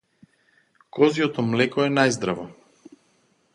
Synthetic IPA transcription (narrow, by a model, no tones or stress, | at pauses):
kɔzijɔt̪ɔmlɛkɔɛnajzd̪ɾavɔ